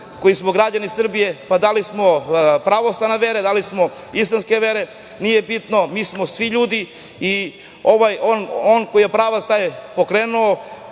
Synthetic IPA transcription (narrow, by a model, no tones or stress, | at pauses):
ko̞jismoɡɾad͡ʑanisr̩bije̞pad̪alismopɾaʋosˠanaʋeɾed̪alismo | isˠanskeʋeɾe̞ | nije̞bit̪no̞miːsmo̞sʋiʎuːd̪i | i | o̞ʋajononkojijepɾaːʋast̪ajepo̞kɾeːnuo